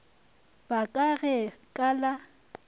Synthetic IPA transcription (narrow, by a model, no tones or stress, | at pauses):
bakʼaɣɛkʼala